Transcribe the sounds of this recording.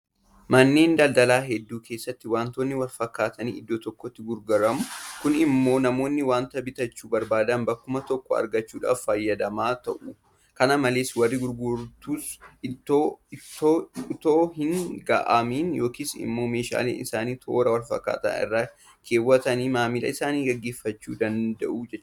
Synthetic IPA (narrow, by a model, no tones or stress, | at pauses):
mɐnːe̞ːnd̪ɐld̪ɐlaːɦɛd̪ːuːkʰe̞ːsːɐt̪ːɪwaːnt̪oːnːɪwɐlfɐkːaːt̪ɐnḭːɪd̪ːot̪ɔkːɔt̪ːɪɡʊɾɡɐɾɐmʊkʊnɪmːo̞ːnɐmo̞ːnːɪwaːnt̪ɐbɪt̪ɐt͡ʃːuːbɐɾbaːd̪ɐnbɐkːʊmɐt̪ɔkːɔɐ̰ɾɡɐt͡ʃːuːᶑa̰ːffɐjːɐd̪ɐmaːt̪ɐ̰ʔʊ | kɐnɐmɐleːswɐrːiɡʊɾɡʊɾt̪uːsɪt̪ːoːt̪ːoːt̪oːhɪŋɡɐ̰ʔɐmiːnjo̞ːkiːsɪ̰mːo̞ːme̞ːʃa̰ːlḛːnʔɪsa̰ːniːt̪ʰo̞̰ːɾɐwɐlfɐ̰kːa̰ːt̪a̰ːɪ̰rːaː | kʰe̞ːwːɐt̪ɐniːmaːmɪlɐ̰ɪsaːniːɡɐɡːeːfːɐt͡ʃːṵːd̪ɐnd̪ɐ̰ʔuːd͡ʒɛt͡ʃː